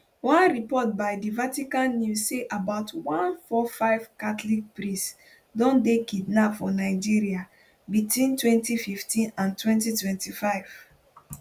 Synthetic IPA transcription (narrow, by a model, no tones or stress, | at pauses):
wãnɹipɔt̚baɪdivatikãnːjuseʔabaʊtwãnfɔfaɪv̥katlik̚pɹĩs | dɔ̃ndekidnapfɔnaɪd͡ʒiɹia | bitwĩntwɛ̃ntififtʰĩnãntwɛ̃ntitwɛ̃ntifaɪv̥